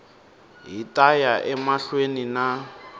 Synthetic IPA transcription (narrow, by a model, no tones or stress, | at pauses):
ɦitʼajaʔɛmaɬwenina